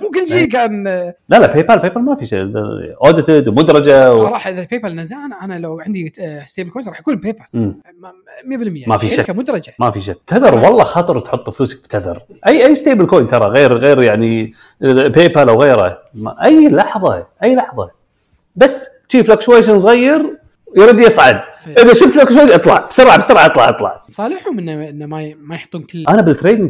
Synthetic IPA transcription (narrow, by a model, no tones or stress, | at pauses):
mʊkɪlːʃiːkaːnlalapeːpalpeːpalmafiʃḛʔoːd̪ɪt̪ɪd̪wmʊd̪ɾˤɑd͡ʒawsɑɾˤɑːħɑʔɪðapeːpalnazaːnʔanalawʕɪnd̪ist̪eːbɪlkoːnsˤɑːħjakuːnpeːpalm | mjabɪlmɪjːamafiʃakːamʊd̪ɾˤɑd͡ʒamafiʃak̚ːt̪ʰaðɑɾˤwɑlˤːɑxɑt̪ˤɨɾˤt̪ħʊt̪ˤːfluːsɪk̚bt̪aðɑ̰ɾˤ | ʔajːʔajːst̪eːbəlkoːjnt̪ɑɾˤɑɣeːɾɣeːɾjaʕni | peːpalʔawɣeːɾa̰ | mʔajːlɑħðˤɑʔajːlɑħðˤɑ | basː | ʃiːflakʃwajʃens̬ˤɣajːɪɾ | jɾˤɑd̪jɑsˤʕa̰d̪ | ʔɪðaʃʊft̪lakʃwaːʔɨt̪ˤlɑʕb̥sɑɾˤʕabsɑɾˤʕʔɑt̪ˤlɑʕʔɑt̪ˤlɑ̰ʕsˤɑːlɪħumɪnːaʔɪnːamamajħt̪ˤːuːnkɪlːʔanabɪlt̪ɾeːd̪ɪŋɡ